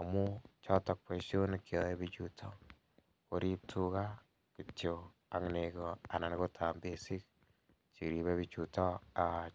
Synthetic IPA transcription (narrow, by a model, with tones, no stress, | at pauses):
amu˦t͡ʃɔ˦tɔk̚pe˨ʃo˦nkːjɔ˨e˦bit͡ʃutʰɔ | koɾi˦p̚tʰuka˦ | kit͡ʃo | a˨ŋneɡoa˨na˨nko˦tʰambe˦si˦k̚ | t͡ʃi˨ɾi˨βe˦βit͡ʃutɔ˦a